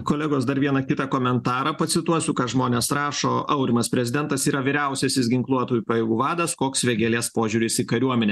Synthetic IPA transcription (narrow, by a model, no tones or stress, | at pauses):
koːlʲɛɡoːsd̪ɐɾʋʲiɛnɐkʲɪt̪ɑkoːmʲɛnt̪ɑːɾɐpɐt̪sʲɪt̪uɔsʲʊkɐʒmoːnʲeːsɾɑːʃoːʔɐʊɾʲɪmɐspʲɾʲɛzʲɪd̪ʲɛnt̪ɐsiːɾɐʋʲɪːɾʲæˑʊsʲɛsʲɪsɡʲɪŋklˠuɔt̪oːjuːpɐjɛːɡuːʋɑːd̪ɐskoːksʋʲɛɡʲɛlʲiɛspoːʒʲuːɾʲɪsɪkɐɾʲuɔmʲɛnʲeː